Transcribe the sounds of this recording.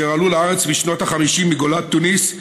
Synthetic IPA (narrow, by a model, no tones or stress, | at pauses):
ealuleaʁet͡smiʃno̞t̪aχamiʃimːiɡolat̪ːunis